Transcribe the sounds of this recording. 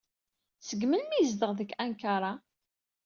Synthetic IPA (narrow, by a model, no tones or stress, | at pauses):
səɡmənmiəzd̪əʁðəkːænkaɾˤɑ